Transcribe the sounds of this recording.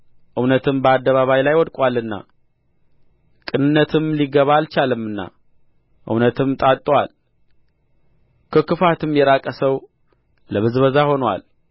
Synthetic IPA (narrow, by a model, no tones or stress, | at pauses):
ʔɨwnət̪ʰɨmbəad̪ːəβaβajlajwɔd̪kʼwalːɨnːa̰ | kʼɨnɨnːət̪ʰɨmliɡəβaːlt͡ʃalɨmːɨnːa̰ | ʔɨ̰wnət̪ʰɨmt̪ʼat̪ʼːwal | kʰəkɨfat̪ɨmjɛɾakʼəsəw | ləβɨzβəzaho̞nwa̰l